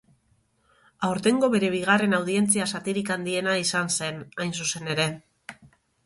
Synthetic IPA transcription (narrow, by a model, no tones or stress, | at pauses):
awɾt̪e̞ŋɡo̞βe̞ɾe̞β̞iɣ̞are̞nawðie̞nt͡siasat̪iɾikand̪ie̞naisanse̞najnsuse̞ne̞ɾe̞